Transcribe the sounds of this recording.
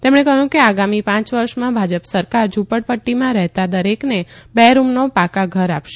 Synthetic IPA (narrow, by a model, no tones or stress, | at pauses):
t̪emɳ̃ekəɦjũkeaɡamipãt͡ʃʋəɾʃmãbʱad͡ʒəpsəɾkaɾd͡ʒupəɽpəʈːimãɾɛɦt̪ad̪əɾeknebɛɾumnopakaɡʱəɾapʃe